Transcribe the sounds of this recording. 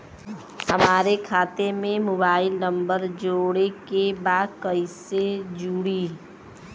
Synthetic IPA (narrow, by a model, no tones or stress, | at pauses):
hɐmaːɾekʰaːt̪emẽmoːbaːɪlnə̃mbəɾd͡ʒoːɽekebaːd̪kəised͡ʒuːɽiː